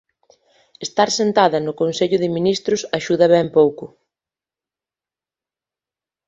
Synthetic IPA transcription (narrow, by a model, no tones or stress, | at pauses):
est̪aɾsent̪aðɐnʊkonseʎʊðɪminist̪ɾʊsaʃuðɐβɛmpowkʊ